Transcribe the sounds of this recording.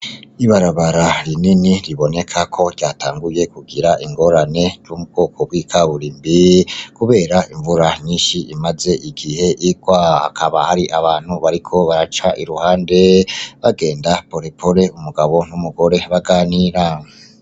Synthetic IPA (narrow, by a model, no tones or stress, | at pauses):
iβaɾaβaɾaɾininiɾiβo̞ne̞kʰakʰo̞ɾɟaːtʰaːŋɡuje̞kuɡiɾaʔiŋɡo̞ɾane̞zumub̚ɡo̞ːkʰo̞bwiːkʰaβuɾiːmbikuβe̞ːɾaiɱvuɾaɲiːnʃiʔimaze̞ʔiɡihe̞ʔiɡwaha̰kʰaβahaɾiʔaβaːn̥huβaɾikʰo̞βaɾat͡ʃaʔiɾuhaːnde̞βaɡe̞ːndapoɾepʰoɾe̞umuɡaβo̞numuɡo̞ɾe̞βaɡaːniɾa